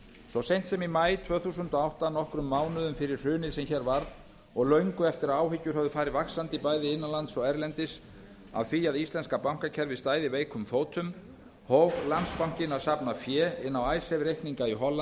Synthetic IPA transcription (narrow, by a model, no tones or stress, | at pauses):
sɔsejn̥t̪sɛmimaːjt̪ʰv̥œːθusʏnt̪ɔawht̪anɔhkɾʏmːaːwnʏðʏmfɪɾɪɾ̥r̥ʏːnɪðsɛmçɛɾvaɾð | ɔɣlœɥŋkʏɛft̪ɪɾaaːwɦɪcːʏɾ̥ɦœvðʏfaːɾɪvaksant̪ipajðɪɪnːalant̪sɔɣɛɾlɛnt̪ɪs | a̰vθiaðist̪lɛnskapawŋ̥kacʰɛɾvɪðst̪aːjðɪveːjkʰʏmfoːwt̪ʰʏm | howɣlanspaw̥cɪnaðsapnafjɛːɪnːawajsɛvɾejhkniŋkaiɦɔlːan